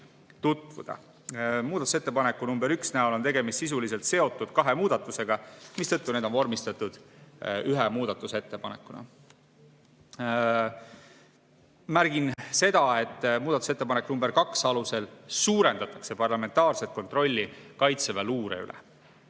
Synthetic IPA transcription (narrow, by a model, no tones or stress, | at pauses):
t̪ut̪ːvṵd̪̥ɑ̰ | muːd̪ɑt̪u̥se̞t̪ːe̞pɑnekːˑunumbeɾyksnæolo̞nt̪e̞ɡe̞mist̪sis̬ulis̬elt̪se̞o̞t̪ːˑud̪̥kɑɦe̞muːd̪̥ɑt̪ːˑuse̞ɡ̥ɑmist̪ɤ̞t̪ːune̞ːd̪o̞nvormist̪ɑt̪ːˑud̪̥yɦemuːd̪̥ɑt̪ːˑuset̪ːe̞pɑne̞kːˑunɑ̰ | mæɾɡ̥inse̞d̪̥ɑe̞t̪ːˑmuːd̪ɑt̪ˑu̥set̪ːepɑnekːunumbe̞ɾkɑksɑluse̞lsuːɾe̞nd̪̥ɑt̪ːˑɑ̥kse̞pɑrlɑme̞nt̪ːˑɑːrset̪̚ko̞nt̪ro̞lʲːikɑjt̪sevæluːɾḛy̰lɛ̰